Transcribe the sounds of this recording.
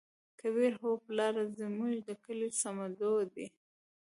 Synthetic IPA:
kaβiɾɦoplɑɾazəmuʒd̪əkəlisamad̪od̪i

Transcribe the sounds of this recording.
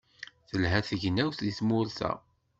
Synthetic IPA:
θəlɦæθəʝnæwθiθmʊɾθæ̰

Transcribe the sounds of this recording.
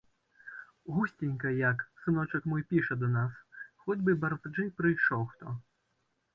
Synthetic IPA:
ɣusʲtʲinʲkɐjɐksɨnɔt͡ʂɐkmɔjpʲiʂɐd̪ɐnasxɔdʲbɨbɐrvd͡ʐɨpɾɨjʂɔwxt̪ɔ

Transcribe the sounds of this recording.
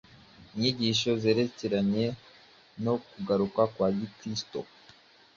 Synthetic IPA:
iɲiɟiʃo̞ze̞ːɾe̞ce̞ɾaɲe̞ | no̞kuɡaɾukakwaːɟikɾisto̰

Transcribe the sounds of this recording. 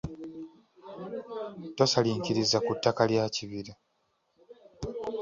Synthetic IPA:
tosaliːɲciɾizːakutːakaljaciβiɾa

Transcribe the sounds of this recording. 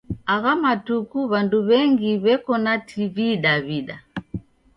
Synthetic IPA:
aɣamatukuβanduβɛŋɡiβɛkɔnatʰiβiɗaβiɗa

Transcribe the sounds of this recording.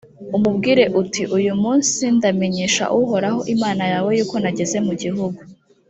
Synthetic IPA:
umubɡiːɾe̞ʔutiʔujumuːnsindame̞ɲeːʃa̰ʔuɦo̞ɾaho̞ʔimaːnajawe̞juːko̞naɟe̞ze̞muɟiɦuɡu

